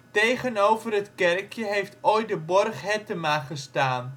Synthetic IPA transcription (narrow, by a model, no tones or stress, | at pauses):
tejχənowvərətkɛrkʰjəɦejftojt̚dəbɔrχɦɛtəmaχəstaːn